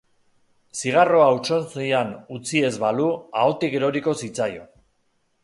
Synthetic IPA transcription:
siɣ̞aro̞aut͡ʃo̞nsijanut͡sie̞zβaluaot̪ike̞ɾo̞ɾiko̞sit͡sajo̞̰

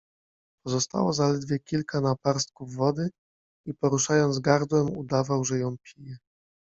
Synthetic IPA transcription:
pɔzɔst̪a̰wɔzalɛd̪vʲjɛkʲilkanapaɾst̪̚kuvːɔd̪ɘ | ipɔɾuʂajɔnzɡaɾd̪wɛmud̪avawʐɛjɔ̃w̃pʲijɛ

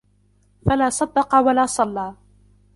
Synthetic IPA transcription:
falaːsˤɑd̪ːɑqɑwalaːsˤɑlːaː

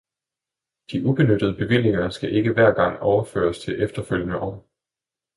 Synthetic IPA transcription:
d̥iʔub̥e̝nød̥əð̞ˠəb̥e̝ʋil̰e̝ŋɐsɡ̥æʔe̝ɡ̥əʋæɐ̰ɡ̥ɑ̈ŋ̰ɒʊɐfø̰ːɐst͡sʰe̝ʔefd̥ɐføl̰jənəʔɒ̰ː

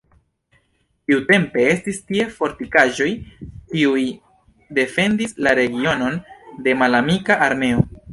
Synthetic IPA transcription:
tiute̞mpe̞e̞stistie̞fo̞ɾtikaʒo̞jkiuj | de̞fe̞ndislaɾe̞ɡio̞no̞nde̞malamikaʔaɾme̞o̞

